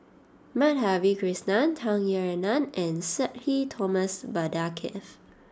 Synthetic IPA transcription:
mɛt̚havikɹisnãntʰãŋjɛɹɛnãnɛ̃nsɛt̚hitʰɔməsbadakʰɛ̰f

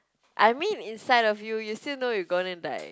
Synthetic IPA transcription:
ʔaɪmĩnĩnsaɪɾɔfjujustilnojuɡõnɛ̃nda̰ɪ

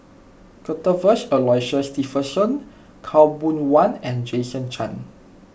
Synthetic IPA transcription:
kətəvəsəlɔjʃəstifəsɔ̃n | kʰawbũnwãnɛ̃nd͡ʒesə̃nt͡ʃã̰n

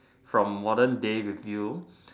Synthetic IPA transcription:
fɹɔ̃mːɔdəndeɹivju

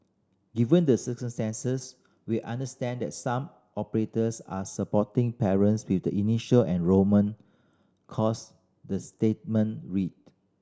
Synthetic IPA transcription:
ɡivə̃ndəsəkə̃mstɛ̃nsəs | wiʔãndəstɛ̃ndɛ̰t̚sãm | ʔɔpəɹetəsa̰səpɔtĩŋpɛɹə̃nswifdəʔiniʃəlɛ̃nɹomə̃n | kʰɔs | dəstet̚mə̃nɹit̚

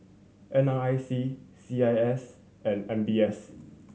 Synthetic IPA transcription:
ʔɛ̃naajsisiajɛs | ɛ̃nɛ̃nbiɛs

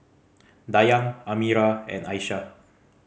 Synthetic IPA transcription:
dajãŋamiɾaɛ̰̃najʃa

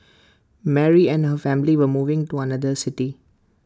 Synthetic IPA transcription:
mɛɹiɛ̃nɦəfɛ̃mliʋəmuvɪ̃ŋtuanad̪əsɪti

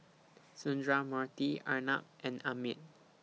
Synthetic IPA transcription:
sũndɹamatiana̰p̚ɛ̃namit̚

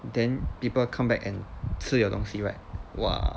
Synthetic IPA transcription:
d̪ɛ̃npipəlkʰãmbɛkɛ̃nsɨjoʊt̪ɔ̃ŋsiɹaɪt̚wa̰

